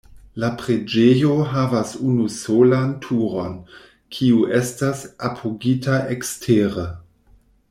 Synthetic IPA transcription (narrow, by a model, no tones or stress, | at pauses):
lapɾed͡ʒejoɦavasunusolantʰuːɾo̞n | kʰiuʔestasʔapʰoɡitʰaʔekstʰeɾe